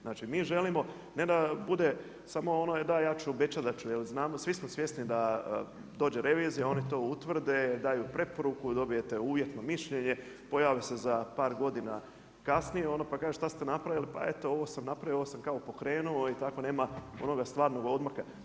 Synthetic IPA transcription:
znat͡ʃimiːʒe̞limo̞ | ne̞d̪abud̪e | samo̞onoed̪ajaːt͡ʃuobe̞t͡ʃad̪at͡ʃujelznaːmosʋismosje̞st̪nid̪a | d̪o̞ːd͡ʑe̞ɾe̞ʋizijao̞nit̪o̞ːut̪ʋr̩d̪e̞d̪aːjupɾe̞po̞ɾukud̪o̞bije̞t̪euːʋje̞t̪nomiʃʎe̞ɲe̞ | po̞jaːʋise̞zapaːɾɡo̞d̪ina | kasnijeo̞noːpakaːʒeʃt̪ast̪enapɾaʋilipa̰e̞t̪o̞o̞ʋo̞samnapɾaʋjoʋosamkaopo̞kɾe̞ːnuo̞it̪ako̞ne̞ːmao̞̰no̞ɡast̪ʋaːɾno̞ɡo̞d̪maxa

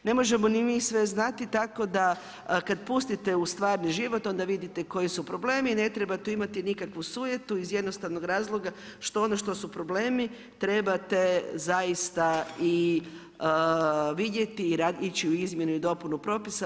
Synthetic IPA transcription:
ne̞mo̞ʒe̞mo̞nimiːsʋe̞znat̪it̪ako̞d̪a | kad̪pust̪it̪e̞ust̪ʋaːɾniʒiʋo̞t̪o̞nd̪aʋid̪it̪eko̞jisupɾo̞ble̞ːmine̞t̪ɾebat̪uimat̪inikakʋusuːʋjet̪uizje̞d̪no̞st̪aʋnoɡɾaːzlˠo̞ɡa | ʃt̪oonoʃt̪o̞supɾo̞ble̞ːmi | t̪ɾe̞bat̪e̞zaist̪ai | ʋid̪je̞t̪iːɾait͡ɕiuizmje̞nuid̪o̞punupɾo̞pisa

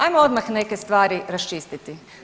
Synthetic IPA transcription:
ajmoo̞d̪maxne̞kest̪ʋaːɾiɾast͡ʃiːst̪it̪i

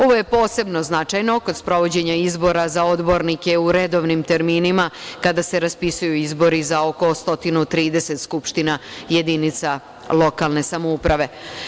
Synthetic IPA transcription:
o̞ʋo̞je̞po̞ːse̞bno̞znat͡ʃajno̞ko̞d̪spɾo̞ʋo̞d͡ʑe̞ɲaizbo̞ɾazao̞d̪bo̞ɾnike̞uɾe̞d̪o̞ʋnimt̪e̞ɾmiːnimakad̪ase̞ɾaspisujuizbo̞ɾizao̞ko̞st̪o̞t̪inut̪ɾiːd̪e̞se̞t̪skupʃt̪inaje̞d̪init̪sa | lˠo̞kalˠne̞samoupɾaʋe̞

